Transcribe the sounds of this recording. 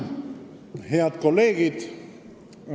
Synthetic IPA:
heɑt̪kolːeːɡ̥id̪̥

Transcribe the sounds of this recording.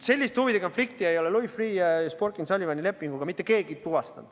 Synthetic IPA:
se̞lʲːist̪huvid̪eko̞nflik̚t̪ie̞jo̞lelujfriːɑsporkˑinsɑlʲivɑnʲile̞pːˑiŋɡ̥uɡ̥ɑmit̪ːˑe̞ke̞ːɡ̥it̪uvɑst̪ɑ̰nd̥̪

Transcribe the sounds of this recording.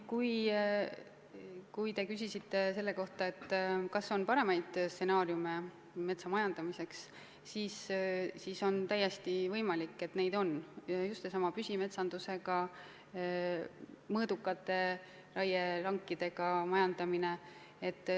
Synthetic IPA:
kuj | kujt̪e̞kysʲisit̪ːe̞se̞lːe̞ko̞ht̪ɑe̞t̪ːkɑso̞npɑɾe̞mɑjd̪̥st̪ːe̞nɑːɾjume | me̞t̪sɑmɑjɑnd̪̥ɑmise̞ks | siːssiːso̞nt̪æje̞st̪ivɤjmɑlikːe̞t̪ne̞jd̪o̞njust̪sesɑmɑpysʲime̞t̪sɑnd̪̥use̞ɡ̥ɑ | mɤːd̪̥ukːˑɑt̪ːˑe̞ | ɾɑjelɑŋkːˑid̪̥e̞ɡ̥ɑmɑjɑnd̪̥ɑmine̞ | et̪ːˑ

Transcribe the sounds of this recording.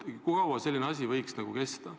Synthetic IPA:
kukɑwɑse̞lʲːineɑsʲivɤjksnɑɡ̥uke̞st̪ɑ

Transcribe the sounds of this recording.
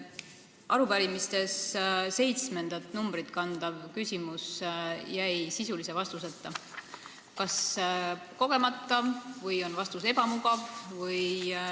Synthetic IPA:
ʔɑɾuvɑɾimist̪e̞sse̞jt̪sme̞nd̪̥ɑt̪ˑnumb̥rit̪kɑnd̪̥ɑvkysʲimusjæjsisulisevɑst̪uset̪ːˑɑ | kɑs | ko̞ɡ̥e̞mɑt̪ːˑɑvɤjo̞nvɑst̪use̞b̥ɑmuɡ̥ɑvvɤj

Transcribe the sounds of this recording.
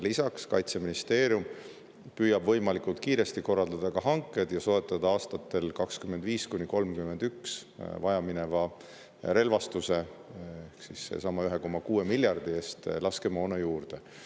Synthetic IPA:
lisɑkskɑ̰jt̪seminist̪e̞ːɾjum | pyːjɑbvɤ̞jmɑlikult̪̚kiːɾe̞st̪iko̞rːɑld̪̥ɑd̪̥ɑkɑɦɑŋkːˑe̞d̪̥jɑso̞et̪ːˑɑd̪ɑɑːst̪ɑt̪ːˑe̞lkɑkskymend̪viːskunʲːiko̞lmkyme̞nd̪̥yksvɑjɑminevɑ | ɾe̞lvɑst̪use̞ehksisːḛsɑmɑyɦe̞ko̞mːɑkuːe̞milʲjɑrd̪̥ie̞ːst̪lɑske̞mo̞nejuːrd̪̥e̞

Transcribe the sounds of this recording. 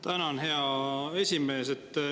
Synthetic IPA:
t̪ænɑnɦe̞ɑe̞sʲime̞ːset̪ː

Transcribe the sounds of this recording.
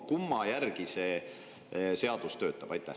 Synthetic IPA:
kumːɑjærɡ̥ise | se̞ɑd̪̥ust̪ø̞ːt̪ːˑɑb̥ɑjt̪ːˑæ

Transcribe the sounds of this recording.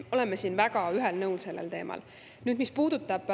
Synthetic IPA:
o̞lemːesiːnvæɡ̥ɑyɦelnɤwlse̞lːḛlt̪e̞ːmʔɑ̰l | nyːd̪mispuːd̪̥ut̪ːˑɑb̥

